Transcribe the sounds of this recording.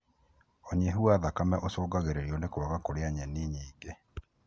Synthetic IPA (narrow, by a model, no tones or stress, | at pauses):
oɲeɦuaðakamɛʔosoːɡaɣeɾeɾiɔnekwaɣakoɾeaɲɛniɲiːŋɡe